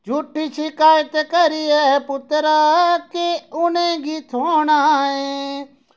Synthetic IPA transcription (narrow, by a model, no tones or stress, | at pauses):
d͡ʒʱuːʈːit͡ʃʰikaːjət̪ekəɾiɛːɦɛpʊt̪ɾakeʊnẽːɡit̪ʰoːnaːẽː